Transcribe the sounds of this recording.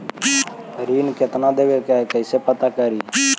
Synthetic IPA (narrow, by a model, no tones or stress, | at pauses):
ɾiːnkɪt̪nad̪eʋekakəɪsepət̪akəɾiː